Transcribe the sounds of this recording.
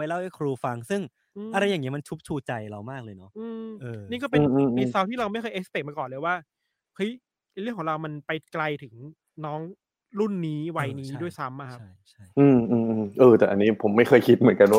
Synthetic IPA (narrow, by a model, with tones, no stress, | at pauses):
pa˧jla˥˩wʔa˥˩kʰɾuː˧fa˧ŋsɯ˥˩ŋ | ʔɯː˧a˧ɾa˧jːaː˨˩ŋːni˦˥ma˧nt͡ɕʰu˦˥p̚t͡ɕʰuː˧t͡ɕa˧jɾa˧wmaː˥˩k̚lɤː˧jnɔ˦˥ʔɯː˧mʔɤː˧niː˥˩kɔː˥˩pe˧nː˧i˧sa˦˥wt̪ʰiː˥ɾa˧wma˥˩jkʰxɤː˧ʔe˦˥st̪e˨˩k̚maː˧kɔː˨˩lɤː˧jwaː˥˩ | hɤ˦˥j | jɾɯ˥˩əkʰɔ˩˦ɾa˧wma˧npa˧jkla˧jt̪ʰɯ˩˦ŋ | nɔː˦˥ŋ | ɾu˥˩nːiː˦˥wa˧jniː˦˥ddu˥˩əjsa˦˥mʔa˨˩kʰt͡ɕa˥˩t͡ɕʰa˥˩jʔɯː˧mʔɯː˧˩mʔɯː˧ʔɤː˧t̪ɛ˨˩ʔa˧nːiː˦˥pʰo˩˦mːa˥˩jxʰɤː˧jkʰi˦˥t̪̚m˩˦ə˦nka˧nwaː˥